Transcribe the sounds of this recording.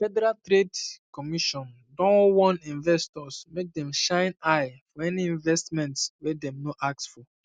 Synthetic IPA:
fɛdɛɾaltɾedkɔmiʃɔ̃n | dɔ̃nwɔ̃nĩnvɛstɔsmek̚dɛ̃mʃãɪ̃naɪfɔɛniĩnvɛstmɛ̃ntwɛdɛ̃mnoʔak̚tsfɔ

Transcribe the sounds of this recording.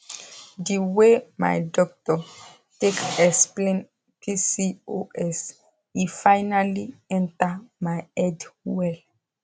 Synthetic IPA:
diwema̰jdɔk̚tɔ | tekɛsplẽn | pʰisioʔɛs | ifajnaliɛ̃ntamajɛdwɛl

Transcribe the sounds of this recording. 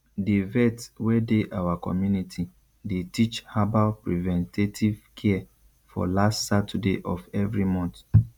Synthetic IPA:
devɛtwɛdeʔawakɔ̰mjunitʰi | detit͡ʃhabalpɹivɛ̃ntʰetʰivkʰɛɛ | fɔ̰lastsatʰɛdḛʔɔfɛvɹimɔ̃nt

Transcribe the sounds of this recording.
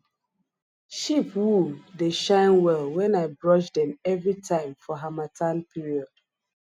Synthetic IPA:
ʃipwudeʃãɪ̃nwɛlˠwɛ̃naɪbɹɔʃdɛ̃mɛvɹitʰãɪ̃mfɔɦamatʰãnpʰiɹiɔd̥

